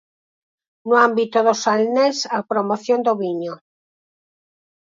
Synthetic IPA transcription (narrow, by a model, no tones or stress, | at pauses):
noambit̪oðosalnesapɾomoθjond̪oβiɲo